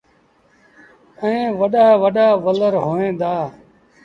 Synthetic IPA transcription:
əẽːʋəɗaːʋəɗaːʋələɾɦoːẽːnd̪aː

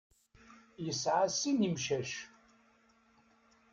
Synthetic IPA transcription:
jəsʕasinimʃæʃ

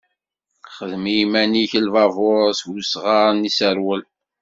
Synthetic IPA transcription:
χəðmijmæniçəlvɑvʊɾswusʁɑɾˤnisəɾwəl

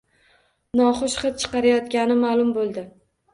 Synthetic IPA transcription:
nɒχoʃχɨt̪̚t͡ʃʰɨ̥qɑɾajɒt̪ɡʲanɪmaːlˠʊmbolˠd̪ɪ

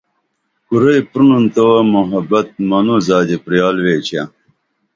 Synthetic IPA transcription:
kuɾɐjpɾununt̪ɐwɐmuɦɐbɐt̪̚mɐnuzaːd̪epɾijaːlʋeːt͡ɕʰa

